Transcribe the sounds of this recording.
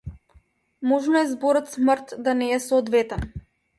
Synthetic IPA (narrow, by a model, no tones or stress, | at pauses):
mɔʒnɔɛzbɔɾɔt̪smrt̪d̪anɛːsɔːd̪vɛt̪ɛn